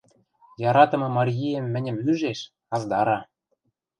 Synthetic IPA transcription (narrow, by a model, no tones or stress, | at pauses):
jɑɾɑt̪ɤ̆mɤ̆mɑɾʲjijemːɘ̆nʲɘ̆myʒeʃ | ɑzd̪ɑɾɑ